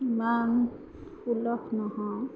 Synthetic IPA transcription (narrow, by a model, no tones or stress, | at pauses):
iman | ulɔkʰnɔhɔ̃